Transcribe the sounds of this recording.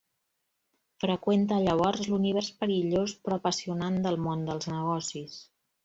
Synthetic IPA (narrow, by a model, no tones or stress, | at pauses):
fɾəkwent̪əːʎəβ̞ɔɾzluniβ̞ɛrspəɾiʎospɾɔpəsiunand̪əlˠmond̪əlˠznəɣɔsis